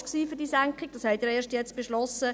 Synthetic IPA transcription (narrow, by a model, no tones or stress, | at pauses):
ksiːfyɾd̥iːsæŋkχɪɡ̥̚d̥ɑshɛɪteːɾeːʃtjɛt͡stb̥eʃlɔsə